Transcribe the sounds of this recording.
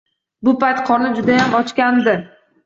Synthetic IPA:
bʊpajt̪qʰɒnɪd͡ʒʊd̪ajamɒt͡ʃkʲand̪ɪ

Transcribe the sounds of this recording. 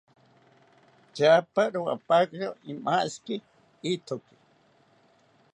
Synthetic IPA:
t͡ʃapaɾuwa̰pakɾoimaʔski | it̪ʰoki̥

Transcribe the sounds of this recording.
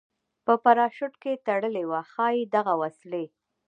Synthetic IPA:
pəpaɾɑʃʊʈket̪aɽəlewaxɑjid̪aɣawasle

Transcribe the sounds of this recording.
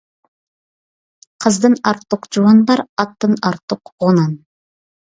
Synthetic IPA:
qʰəzd̪ənɑɾt̪ːuqd͡ʒuɑnbɑɾɑt̪ːənɑɾt̪ːʊqʁonɑn

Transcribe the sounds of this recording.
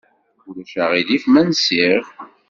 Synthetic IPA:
ulæʃæʁiðifmænsiʁ

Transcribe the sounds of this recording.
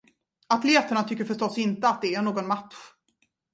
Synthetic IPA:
at̪leːt̪aɳat̪ʰʏkːəɾfœʂʈɔsːɪnt̪əat̪̚d̪ɛæɳoːɡɔnmat̪ɧ

